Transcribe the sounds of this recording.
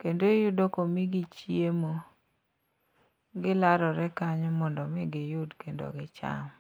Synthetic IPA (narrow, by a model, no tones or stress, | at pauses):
kendojudokomiɡit͡ʃiemo | ɡɪlaɾɔɾɛkaɲmɔndɔmɪɡɪjʊdkendo̰ɡɪt͡ʃa̰m